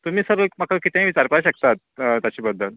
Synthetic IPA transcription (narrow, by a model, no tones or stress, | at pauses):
t̪um̤iːsəɾʋəkmakakit̪ẽĩʋit͡ɕaɾpɭaɕəkt̪at̪̚t̪jat͡ɕiːbəd̪ʱːəl